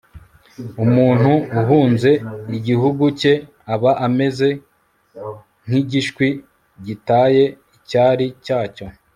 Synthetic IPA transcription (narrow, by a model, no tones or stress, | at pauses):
umuːn̥huːɦuːnze̞iɟiɦuɡuce̞ | aβaʔame̞ze̞ | ŋ̥iɟiʃkwi | ɟitaːje̞ | icaːɾicaːco̞